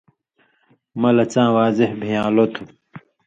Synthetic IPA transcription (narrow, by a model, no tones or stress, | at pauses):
mɐlɐt͡sãːwaːzehbʱijãːlot̪ʰu